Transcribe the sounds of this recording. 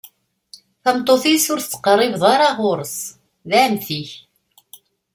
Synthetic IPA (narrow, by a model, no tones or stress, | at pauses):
θæmt̪ˤːoθisʊɾθt͡sːə̥qərˤɪvðˤɑɾˤɑʁʊɾˤəs | ðæmθiç